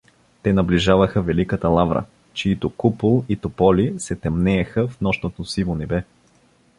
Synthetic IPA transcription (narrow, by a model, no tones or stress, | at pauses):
t̪ɛnɐbliʒavəxəvɛlikət̪əlˠavɾə̰ | t͡ʃiit̪ʊkupulˠit̪opɔlisɛt̪ɛmnɛːxəfnɔʃnot̪osivonɛbɛ